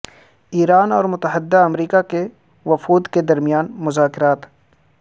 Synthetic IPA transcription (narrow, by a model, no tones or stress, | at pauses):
iːɾaːnɔːɾmʊt̪əɦəd̪ːaɐmɾiːkake | ʋɐfuːd̪ked̪ɐɾmijaːnmʊzaːkɪɾaːt̪